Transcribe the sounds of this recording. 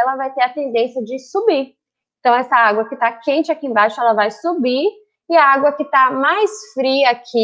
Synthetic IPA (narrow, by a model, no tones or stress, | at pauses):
ɛlɐvajt̪eɾɐt̪ẽd̪ẽsjɐd͡ʒɪsubi | ẽt̪ɐ̃w̃ɛsɐaɡwɐkɪt̪akẽnt͡ʃɪakiẽbajʃʊɛlɐvajsubiɾ | ɪɐaɡwɐkɪt̪amajsfɾiɐakʰɪ